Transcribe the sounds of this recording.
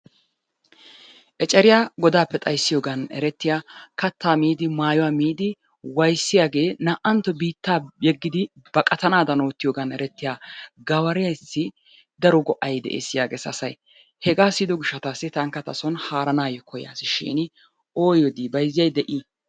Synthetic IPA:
ʔɛt͡ʃʼɛɾɪjaːɡɔd̪aːpːɛt̪ʼɐjsːɪjoːɡɐnɛ̰ɾɛt̪ːɪjaːkɐt̪ːaːmiːd̪ɪmaːjɔwaːmiːd̪ɪ | wɐjsːɪjaːɡe̞ːnaːʔɐnt̪ːɔbiːt̪ːaːjɛɡːɪd̪ɪbɐkʼɐt̪ɐnaːd̪ɐno̞ːt̪ːɪjoːɡɐnɛɾɛt̪ːɪjaːɡɐwɐɾɪjɐjsːɪ | d̪ɐɾɔɡɔʔɐjd̪ɛ̰ʔḛːsːɪjaːɡeːsɐ̰sɐj | hɛɡaːsid̪ɔɡɪʃːɐt̪aːsːɪt̪ɐŋkːɐt̪ɐsɔnhaːɾɐnaːjɔkʰɔja̰ːsɪʃɪ̰ːn | oːjɔd̪iːbɐjzːɪjɐjd̪ɛʔi

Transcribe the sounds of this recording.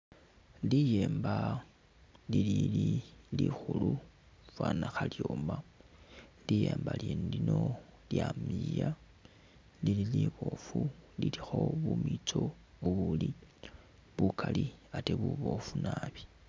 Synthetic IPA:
lijeːmba | lilililixulu | fwanaxaljoːma | lijeːmbaliːndino̞ljamija | lililiβofulilixo̞βumit͡so̞ | uβuli | βukʰaliateβuβo̞funaːβi̥

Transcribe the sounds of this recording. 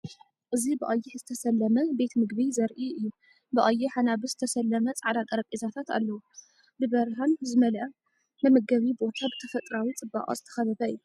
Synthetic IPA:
ʔɨzibɨʔajːɪħzɨt̪ʰɐsɐlːɐmɐbe̞t̪mɨɡβizɐɾʔiʔɨjːu | bɨʔajːɪħanabɨzɨt̪ʰɐsɐlːɐmɐt͡sʼʕd̪at̪ʼɐɾɐkʼizat̪ʰat̪a̰lːɐwu | bɨbɐɾɦanzɨmɐlʔɐ | nɨmɐɡɐβibo̞t̪ʰabɨt̪ʰɐfɐt̪ʼɾawit͡sʼɨba̰ʔʼɐ̰zɨt̪ʰɐ̥xɐβɐbɐɨjːu

